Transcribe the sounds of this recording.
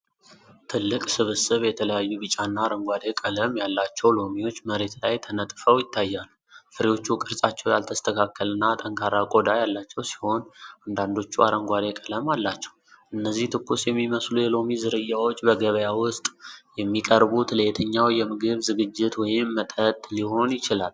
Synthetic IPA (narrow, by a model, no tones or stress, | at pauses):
t̪ʰɨlːɨkʼsɨβɨsɨβjɛt̪ʰələjajːuβɨt͡ʃʼanːaːɾəŋɡʷad̪e̞kʼələmjalːat͡ʃːɛwlo̞miwo̞t͡ʃːməɾe̞t̪lajt̪ʰənət̪ʼfəwjɪt̪ʰːajːalːu | fɨɾiwo̞t͡ʃːukʼɨɾsʼat͡ʃːɛwjalt̪ʰəst̪ʰəkʰakːəlɨnːat̪ʼəŋkʰaɾakʼo̞d̪ajalːat͡ʃːɛwsi̥ho̞nand̪and̪o̞t͡ʃːua̰ɾəŋɡʷad̪ekʼələmalːat͡ʃːɛ̥w | ʔɨnːəzːiht̪ʰɨkːusjɛmːiməslujɛlo̞mizɨɾɨjːawo̞t͡ʃʼːbəɡəβəjawʊst̪ʼjɛmːikʼəɾbut̪ʰləjet̪ʰəɲːawjɛmɨɡɨβzɨɡɨd͡ʒːɪt̪wɔjɪmːət̪ʼət̪ʼliho̞njɪt͡ʃɪlal